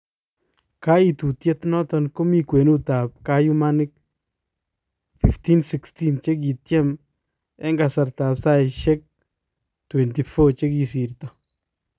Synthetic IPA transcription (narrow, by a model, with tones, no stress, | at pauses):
ka˦i˨tu˨tjɛ˦tnɔ˦tɔ˨nko˦mi˦kwe˨nu˦ta˨p̚ka˦ju˦ma˦nɪk̚ | fi˨fti˦nsiksti˦nt͡ʃe˦k̬i˨tjɛ˦m | ɛ˦ŋɡa˨sa˨ɾta˨psa˦ɪ˨ʃɛ˦k̚ | twɛ˨nti˨fo˦t͡ʃe˦ki˨si˨ɾtɔ˨